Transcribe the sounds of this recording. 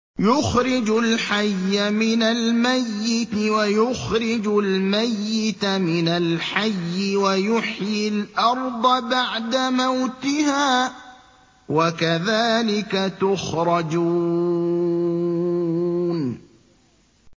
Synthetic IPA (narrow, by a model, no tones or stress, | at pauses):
jʊxɾɪd͡ʒʊlħajːamɪnalmajːɪt̪wajʊxɾɪd͡ʒʊlmajːɪt̪mɪnalħajːɪwajʊħjɪlʔɑɾˤd̪ˤɑbaʕd̪amawt̪ɪɦaː | wakaðaːlɪkat̪ʊxɾˤɑd͡ʒuː | n